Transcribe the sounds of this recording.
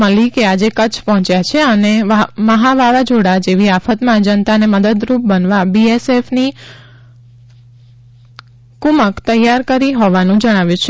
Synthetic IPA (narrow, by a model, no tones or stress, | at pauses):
əlikead͡ʒekət͡ʃʰpəɦɔ̃t͡ʃjat͡ʃʰeəneməɦaʋaʋad͡ʒoɽad͡ʒeʋiafət̪mãd͡ʒənt̪aneməd̪əd̪ɾup̚bənʋabiesefni | kuməkt̪əjːaɾkəɾiɦoʋanũd͡ʒəɽ̃aʋjũt͡ʃʰ